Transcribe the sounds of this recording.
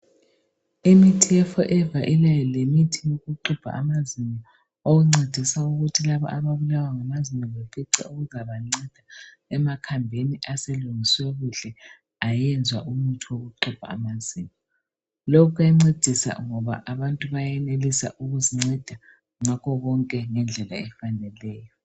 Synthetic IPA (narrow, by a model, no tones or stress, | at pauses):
imitʰijɛfɔʔɛvaʔilajɔlemitʰijoɣuǃub̥ʱa̰amaziɲɔ | oɣuŋ͡ǀʱed̥ʱisauɣutʰilaβɔ̰ʔaβaβulawaŋamazimɔβefiǀɛ̰oɣuzaβaŋ͡ǀɛd̥ʱaɛmakʰambʱeniaseluŋisweɣuɬɛ | ajɛnd͡zʱwaʔumutʰiwoɣuǃub̥ʱa̰ːmazimɔ | lɔkʰuɛŋ͡ǀed̥ʱisa̰ŋɔβa̰ʔaβantʼuβajɛnelisa̰ʔuɣuziŋ͡ǀɛd̥ʱa | ŋakʰɔɣɔŋkʼɛŋɛnd͡ɮʱɛla̰ɛfanɛlɛːjɔ